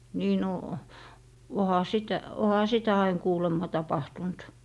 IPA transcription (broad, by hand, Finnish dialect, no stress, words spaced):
niː no ohɑ sitæ ohɑ sitæ ɑin kuːlemːɑ tɑpɑhtunt